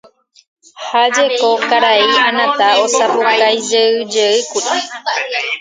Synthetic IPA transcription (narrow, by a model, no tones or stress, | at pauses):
had͡ʒekokaɾaiãnãt̪aosapukajd͡ʒeɨd͡ʒeɨkuɾi